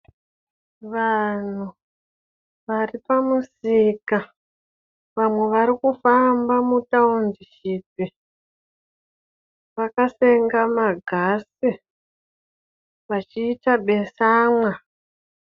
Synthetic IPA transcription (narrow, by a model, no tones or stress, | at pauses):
ʋan̤u | ʋaripamusika | ʋamwe̞ʋaɾikufambamutaundiʃiːpi | ʋakase̞ŋɡamaɡʱasi | ʋat͡ʃiːtaɓe̞saːmwa